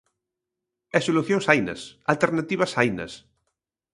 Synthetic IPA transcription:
ɛsoluθjõŋsajnɐ̰salt̪eɾnat̪iβɐsajnɐ̰s

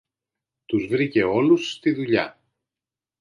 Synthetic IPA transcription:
t̪uzvɾice̞o̞lusːt̪iðuʎɐ̰

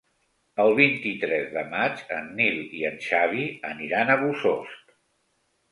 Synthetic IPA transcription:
əlˠβint̪it̪ɾɛzðəmat͡ʃə̰nːiliənʲʃaβiəniɾanəβusost̪

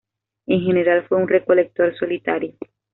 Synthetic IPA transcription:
ẽɦeneɾalfweunrekolek̚t̪oɾsolit̪aɾi

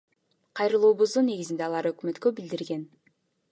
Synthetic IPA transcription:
qʰɑjɾɯlˠuːβuzd̪unːe̞ɡizind̪eɑlˠɑɾøkmø̞t̪kø̞bild̪iɾɡe̞n

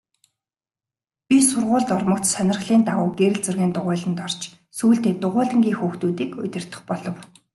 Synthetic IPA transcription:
pʲisʊrʁʊːɮt̪ɔrmɞ̆kt̪sanʲɪ̆rχɮiːnt̪aʁʊːɡeɾɘ̆ɮt͡sɵrɣeːnt̪ʊʁʊːɮə̆nt̪ɔr̥t͡ɕ | suːɬt̪eːt̪ʊʁʊːɮə̆ŋɡʲiːŋxuːxt̪uːt̪iːkɵ̰t̪ʲɪ̆r̥t̪ə̥̆χpɔɮɞ̆w

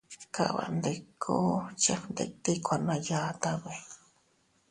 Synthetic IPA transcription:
ka̰βa̰nd̪ekʰːot͡ʃand̪ḛk̚t̪ikʷanajat̪aβe

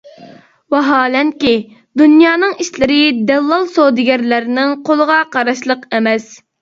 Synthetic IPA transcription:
wɑɦɑːlɛnkʲi | d̪unjɑːnɨŋiʃlɪɾɪd̪ɛlˠːɑlˠsod̪ɪɡʲɛɾlæɾnɪŋqʰolˠəʁɑqɑɾɑʃlˠəqemɛs

